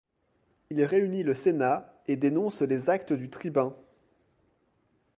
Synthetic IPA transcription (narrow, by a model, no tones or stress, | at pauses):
ilʁeyniləsenaed̪enɔ̃slezak̚t̪əd̪yt̪χibɛ̃